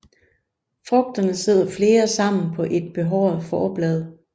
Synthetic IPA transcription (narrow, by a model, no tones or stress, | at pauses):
fʁɔ̽ɡ̥̚d̥ɐnəse̝ð̞̰ˠɐfle̝ːɐsɑ̈m̰n̩pʰɒ̽ʔe̝d̥̚b̥e̝ɦɒʊ̰ɐð̩ˠfɒːb̥lɛð̞ˠ